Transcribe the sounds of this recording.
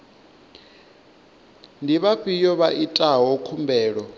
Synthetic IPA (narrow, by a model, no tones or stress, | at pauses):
ndiβaɸijɔβaʔitʼaɦɔkʰumbʱɛːɺɔ